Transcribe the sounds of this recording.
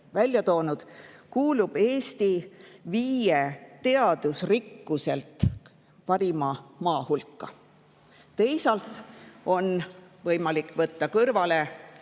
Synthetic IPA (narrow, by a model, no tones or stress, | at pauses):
vælʲjɑt̪o̞ːnud̪̥kuːlub̥e̞ːst̪iviːjet̪e̞ɑd̪̥usrikːuse̞lt̪ˑ | pɑɾimɑmɑːhulkːɑ̰ | t̪e̞jsɑlt̪ˑo̞nvɤjmɑlikːˑvɤt̪ːɑkɤrvɑle̞